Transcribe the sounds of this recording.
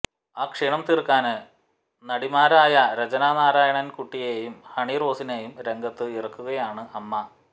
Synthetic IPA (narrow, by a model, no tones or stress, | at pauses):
aːkʂiːɳɐmt̪irkːaːnɨ | nɐɽimaːɾaːjɐɾɐd͡ʑɐnaːnaːɾaːjɐɳɐnkuʈːijeːjumhɐɳiro̞ːsineːjumɾe̞ŋɡɐt̪ːɨirɐkːuɣɐjaːɳɨɐmːɐ